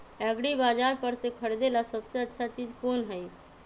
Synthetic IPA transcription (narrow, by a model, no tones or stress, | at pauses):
ɛɡɽibad͡ʒaɾpəɾsẽkʰəɽed̪elasəbseətːʃʰat͡ʃid͡ʒkoːnɦəj